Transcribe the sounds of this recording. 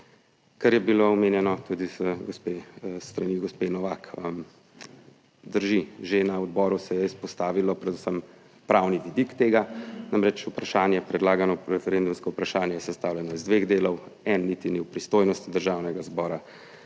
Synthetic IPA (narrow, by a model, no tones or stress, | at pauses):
kaɾjɛbiloɔmeːnjɛnɔt̪ud̪izɡospest̪ɾaniɡɔspenɔʋakə | d̪əɾʒiʒenaɔd̪bɔɾusɛjɛispɔst̪aːʋilɔpɾɛd̪usəm | pɾawniʋid̪ikt̪eːɡanamɾɛt͡ʃupɾaʃaːnjɛpɾɛd̪laːɡanɔɾɛfɛɾend̪umskɔupɾaʃaːnjɛjɛsɛst̪aːwljɛnɔizd̪ʋeɣd̪eːlɔwɛnːit̪iniwpɾist̪oːjnɔst̪id̪əɾʒaːwnɛɡazbɔːɾa